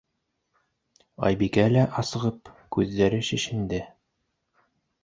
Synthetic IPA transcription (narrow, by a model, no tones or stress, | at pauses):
ɑ̰jbikælæʔɑsɤ̆ʁɤpkʉðːæɾɘʃĭʃɘ̆nd̪ɘ